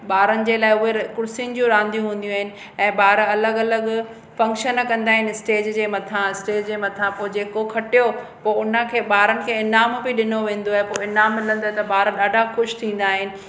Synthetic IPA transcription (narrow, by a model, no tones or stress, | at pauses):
ɓaːɾənɪ̆d͡ʑeːlaːɪʊɦekʊɾsinɪ̆d͡ʑũɾãːnd̪ijũɦũːn̆d̪ijũaːɦɪnɪ̆ | ɛ̃ːɓaːɾɐləɡɐləɡ | fɐ̃ŋkʃənkɐ̃nd̪aːɦɪnɪɪsʈeːd͡ʑd͡ʑeːmɐt̪ʰãɪsʈeːd͡ʑd͡ʑeːmɐt̪ʰãpoːd͡ʑeːkokʰɐʈijopoːʊnə̆kʰeːɓaːɾənɪ̆kʰeːɪnaːmbɪɗɪnoʋẽːn̆d̪oaːɦepoːɪnaːmːɪlə̃nd̪oːɦet̪ɐbaːɾəɗaːɖʱaxʊʃt̪ʰĩːn̆d̪aːɦɪnɪ̆